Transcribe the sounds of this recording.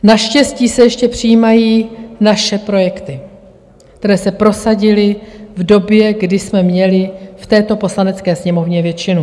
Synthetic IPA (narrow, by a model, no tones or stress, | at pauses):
naʃcɛsciːsɛjɛʃcɛpr̝̥ɪjiːmajiːnaʃɛpɾo̞jɛkt̪ɪ | kt̪ɛɾɛːsɛpɾo̞saɟɪlɪvdo̞bjɛɡdɪsmɛmɲɛlɪft̪ɛːt̪o̞po̞slanɛt͡skɛːsɲɛmovɲɛvjɛt͡ʃɪnu